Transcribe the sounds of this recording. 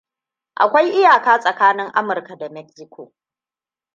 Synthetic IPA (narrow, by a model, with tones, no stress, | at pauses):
ʔa̰˨kʷa˦jʔɪ˦jaː˨kaː˦sʼɐ˨kaː˦nɪ˦ŋʔa˦mʊ˨rka˨da˨mɛ˦ksɪ˦kʷʰo̰ː˨